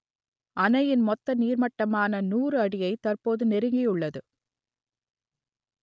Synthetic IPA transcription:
ʔɐnɐjɪnmɔt̪ːɐniːɾmɐʈːɐmaːnɐnuːrɯɐɽɪjɐɪt̪ɐrpoːðɯnɛɾɯŋɡɪjɯɭːɐðɯ

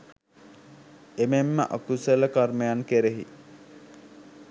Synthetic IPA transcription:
ememːə̰ʔokuseləkɐrmejaŋkeɾeɦḭ

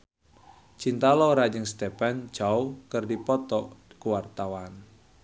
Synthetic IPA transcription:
t͡ʃint̪alɔɾad͡ʒəŋst̪epand͡ʒawkərdipɔt̪ɔkuwart̪awan

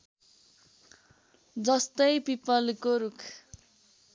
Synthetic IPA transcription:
d͡zʌst̪ʌjpipʌlkoɾukʰ

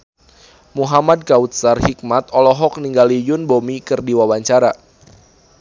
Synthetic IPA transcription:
muɦamad̚kaut̪̚sarhik̚mat̪ɔlɔɦɔk̚niŋɡalijʊnbomikɨrdiwawaɲt͡ʃaɾa

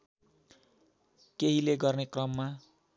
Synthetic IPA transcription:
keɦileɡʌrnekrʌmːa

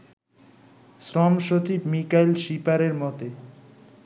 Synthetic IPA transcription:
sɾɔmʃot͡ɕibmikajlʃipaɾeɾmɔt̪e

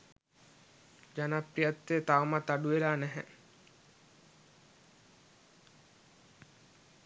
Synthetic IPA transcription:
d͡ʒanaprijat̪ːeːt̪awmat̪aɖuʋelaːnæɦɛ̰

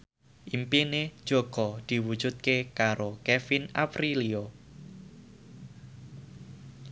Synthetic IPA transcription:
ʔimpined̥ʒ̥oɡ̥ɔd̪̥i̤wud̥d͡ʒ̥ṳt̪̚kekaɾokɛfinaprilio

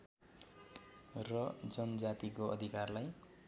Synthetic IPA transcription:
rʌd͡zʌnʌd͡zat̪ikoʌ̰d̪ʱikarlaj

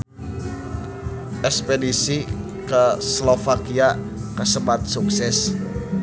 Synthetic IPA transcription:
ʔɛspedisi | kəslofakia | kəsəbat̪̚suksɛs

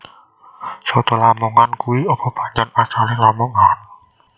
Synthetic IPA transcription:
sɔt̪ɔlamuŋankuwiɔpɔb̥ä̤ɲanasalɪhlamuŋan

